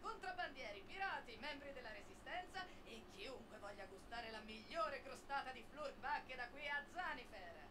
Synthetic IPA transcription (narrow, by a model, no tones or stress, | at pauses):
kont̪ɾaband̪jɛːɾipiɾaːt̪imɛmbɾid̪elːaɾezist̪ɛnt̪sa | ekːiuŋkwevɔʎːaɡust̪aːɾelamiʎːoːɾekɾost̪aːt̪ad̪iflurɡbakːed̪akwiad̪zanifɛr